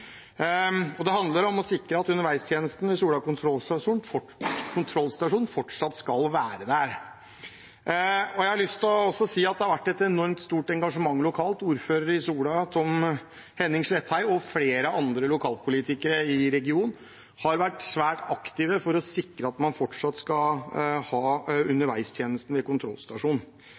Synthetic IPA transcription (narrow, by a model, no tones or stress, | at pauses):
ɔd̪ɛhɑnd̪ləɾɔmɔsɪkɾəɑt̪ʉnːəɾʋæɪst̪ʰjeːnəst̪n̩ɪsuːlɖɑːkʊnt̪ʰɾɔlsɑʂuːnɔ | kʰʊnt̪ʰɾɔlːsɪt̪ʋɑʂuːn̩fɔʈʂɑt̪ːskɑlʋæːɾəd̪æɾ | ɔjæɪhɑɭʏst̪ʰlɔɔsːɔsiːɑt̪̚d̪ɛhɑɾʋæʈːɛt̪ɛnɔɾmt̪st̪uːʈɛŋɡɑʂəmɑŋːlʊkʰɑːlt̪uːɾføːɾəɾəɪsuːlɖɑt̪ʰɔm | hɛnːɪŋslɛt̪ʰːhæɪɔfleːɾəʔɑnd̪ɾəlʊkʰɑːlpʰʊliːt̪ɪkəɾəɪɾɛɡɪuːnn | hɑɾʋæʈːsʋæːʈɑkt̪ɪʋəfɔɾɔsɪkɾəɑt̪mɑnfɔʈʂɑt̪ːskɑhɑːʉnːəɾʋæɪst̪ʰjeːnəst̪n̩ʋɛkʊnt̪ʰɾɔ̰lːst̪ɑʂuːn